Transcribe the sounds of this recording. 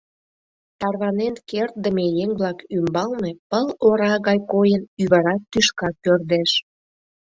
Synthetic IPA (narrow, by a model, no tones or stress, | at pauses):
t̪ɑrβɑnenkert̪̚d̪əmejeŋβlɑkymbɑlnepəloɾɑɣɑjkojənyβɑɾɑt̪ːyʃkɑkpørd̪eʃ